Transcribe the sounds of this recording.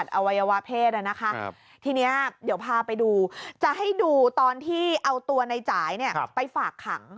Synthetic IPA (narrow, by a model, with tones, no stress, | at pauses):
a˨˩t̪̚ʔa˧wa˧jːa˧wa˦˥pʰeː˥˩t̪̚ʔa˧˩na˦˥kʰa˦˥ | t̪ʰiː˧ni˦˥ɐdiː˨˩˦əwpʰaː˧pa˧jduː˧t͡ɕa˨˩ɦa˥˩jduː˧t̪ɔː˧nt̪ʰiː˥˩ʔa˧wt̪u˧ɐna˧jt͡ɕaː˩˦jni˥˩ɐpa˧jfaː˨˩kʰːa̰˩˦ŋ